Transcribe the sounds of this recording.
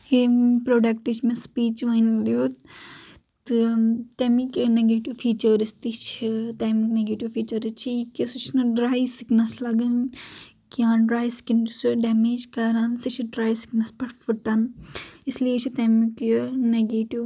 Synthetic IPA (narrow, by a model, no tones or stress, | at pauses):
epɾoːɖɐkʈit͡ʃʰmẽspiːt͡ʃʋɐnliot̪ | t̪ɨt̪emikeneɡeːʈiʋfʰiːt͡ʃɐɾist̪it͡ʃʰit̪eːmikneɡeːʈiʋfʰiːt͡ʃɐɾit͡ʃʰiikisut͡ʃʰnɐɖɾaːjsiknɐslɐɡɐn | kiãːɖɾaːjsi̥kindsuɖɛːmeːd͡ʒkɐɾɐnsit͡ʃʰiɖɾaːjsi̥knɐspɐʈʰfʰuʈɐnisliet͡ʃʰit̪emikneɡeːʈiʋ